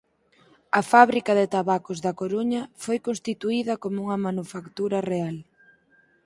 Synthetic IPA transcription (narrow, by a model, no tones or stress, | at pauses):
ɐfaβɾikɐðɪt̪aβakozðɐkoɾuɲɐfojkonst̪it̪uiðɐkomouŋɐmanufakt̪uɾɐreal